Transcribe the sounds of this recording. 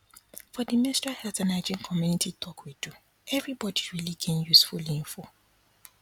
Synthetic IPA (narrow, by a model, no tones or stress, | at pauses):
fɔdimɛ̃stahɛltanaɪd͡ʒĩnkʰɔmjunitʰitʰɔkwidu | ɛvɾibɔdiɹiliɡẽnjusfuliĩɱfo